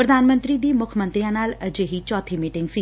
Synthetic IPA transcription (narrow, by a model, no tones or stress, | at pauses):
pɾəd̪ʱaːnmənt̪ɾiːd̪iːmʊkʰmə̃nt̪ɾijãːnaːləd͡ʒeːɦit͡ʃɔːt̪ʰeːmiːʈɪ̃ŋɡsiː